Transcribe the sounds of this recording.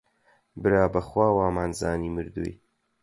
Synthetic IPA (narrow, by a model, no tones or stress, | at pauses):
bɨɾaːbɐχwaːwaːmaːnza̰ːniːmɨɾd̪ṵj